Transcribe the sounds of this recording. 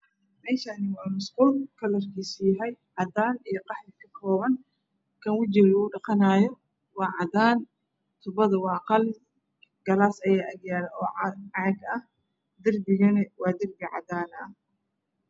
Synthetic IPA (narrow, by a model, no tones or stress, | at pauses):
mɛːʃanɪwɑːmʊsqʊlkʰɐlɐrkʰiːsjɐɦɛjʕɑd̪aːnijɞqɑħlɪkʰɐkʰɔːβɐn | kʰɐnwɐt͡ʃɪɣʊːɖɑqɑnaːjɔ | wɑːʕɑd̪aːn | t̪ʰʊbɐðɐwɑːqɑl | ɡɐlaːsɐjaːʔɐɡjaːlɐɔːʕʕɑɡɐh | d̪ɪrbɪɣɐnɛwɑːd̪ɪrbɪʕɑ̰d̪aːnɐh